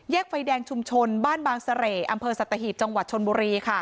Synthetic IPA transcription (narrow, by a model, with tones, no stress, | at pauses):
jɛː˥˩k̚fa˧jdɛː˧ŋt͡ɕʰu˧mt͡ɕʰo˧nbaː˥˩nbaː˧ŋsa˧ɾeː˨˩ʔa˧mpʰɤː˧sa˨˩t̪ːa˧ɦiː˨˩p̚t͡ɕa˧ŋwa˨˩t̪̚t͡ɕʰo˧nbuː˧ɾiː˧kʰa˥˩